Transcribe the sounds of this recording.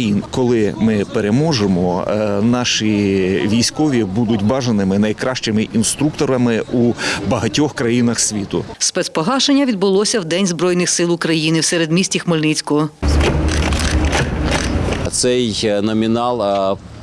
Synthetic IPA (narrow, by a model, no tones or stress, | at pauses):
inkɔlˠɪmɪpeɾemɔʒemɔɔ̰nɑʃiʋʲijsʲkɔʋʲibud̪ʊtʲbɑʒɐnɪmɪnɐjkɾɑʃt͡ʃɪmɪʔinst̪ɾuk̚t̪ɔɾɐmɪʔubɐɦɐtʲɔxkɾɐjinɐxsʲʋʲit̪ʊspɛt̪spɔɦɑʃenʲːɐʋʲid̪bʊlˠɔsʲɐwd̪ɛnʲzbɾɔjnɪxsɪlˠʊkɾɐjinɪwsɛɾed̪mʲisʲtʲixmɔlʲnit͡sʲkʊɔ | t̪sɛjnɔmʲinɑlˠ